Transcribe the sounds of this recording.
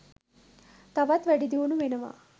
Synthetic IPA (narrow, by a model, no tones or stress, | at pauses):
t̪ɐʋɐt̪ʋɐɽid̪iʋunuʋenɐʋa̰